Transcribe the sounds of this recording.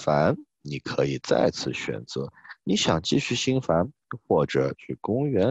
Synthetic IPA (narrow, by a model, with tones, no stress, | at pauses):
fa˧˥n | ni˨˩kʰɤ˧˥i˨˩t͡sa̰˥˩ɪt͡sʰɹ̩˥˩ɕɥɛ̰˨˩nt͡sɤ˧˥ni˧˥ɕjɑ˨˩ŋt͡ɕi˥˧ɕy˥˩ɕi˥ŋfa˧˥n | xwɔ˥˩ʈ͡ʂɤ˨˩t͡ɕʰy˥˩kʊ˥ŋɥɛ˧˥